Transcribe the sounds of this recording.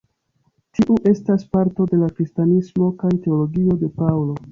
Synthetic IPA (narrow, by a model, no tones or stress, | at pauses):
tiʔuʔe̞staspaɾto̞de̞lakɾistanismo̞kajte̞o̞lo̞ɡio̞de̞pawlo̞